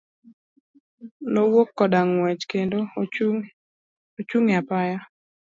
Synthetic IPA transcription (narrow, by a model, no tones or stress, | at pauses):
nowokːɔdaŋwɛt͡ʃkendo | ot͡ʃuŋapaja